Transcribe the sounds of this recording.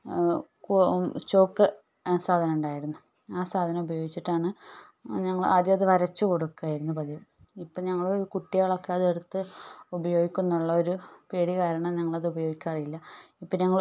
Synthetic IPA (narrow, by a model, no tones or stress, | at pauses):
kt͡ɕo̞ːkːɨ | saːd̪ʱɐnɐmuɳɖaːjiɾunːu | aːsaːd̪ʱɐnɐmubɐjo̞ːɡit͡ɕːiʈːaːɳɨ | ɲɐŋːɐɭa̰ːd̪jɐɐðɨʋɐɾɐt͡ɕːɨkoɽukːaːjiɾunːupɐd̪ijɐm | ipːoːɲɐŋːɐɭoɾukuʈːijaːɭo̞kːeɐðeɽut̪ːɨubɐjo̞ːɡikʲːunːuɭːɐo̞ɾupeːɽikaːɾɐɳɐmɲɐŋːɐɭɐðubɐjoːɡikʲːɐpɐrijilːɐipːoːɲɐŋːɐɭ